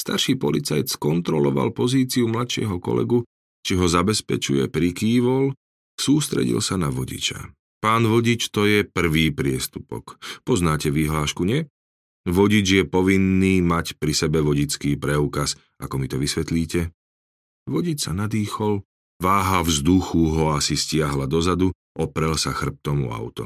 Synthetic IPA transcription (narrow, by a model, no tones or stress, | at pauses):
st̪aɾʃiːpɔlit͡sajt̪skɔnt̪ɾɔlɔʋa̰lpɔziːt͡siumlat̪ʃɪɛ̰ɦɔkɔ̰lɛ̰ɡu | t͡ʃiɦɔzabɛspɛt͡ʃṵjɛ̰pɾikiːʋɔl | suːst̪ɾɛ̰ɟḭlsanaʋɔɟḭt͡ʃa̰ | paːnʋɔɟit͡ʃt̪ɔjɛpr̩ʋiːpɾɪɛst̪upɔ̰kpɔznaːcɛʋiɦlaːʃkuɲɪɛ | ʋɔɟid͡ʒjɛpɔʋinːiːmacpɾisɛbɛʋɔɟit͡skiːpɾɛuːkas | akɔmit̪ɔʋisʋɛt̪liːcɛ | ʋɔɟit͡ʃsa̰nad̪iːxɔl | ʋaːɦavzd̪uxuɦɔasiscɪaɦlad̪ɔzad̪u | ʔɔpɾɛlsaxr̩p̚t̪ɔmṵa̰ʊt̪ɔ̰